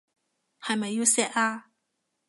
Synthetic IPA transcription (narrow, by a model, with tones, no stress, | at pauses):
ha˨jma˨jju˥˦sɛ˥ʔa˧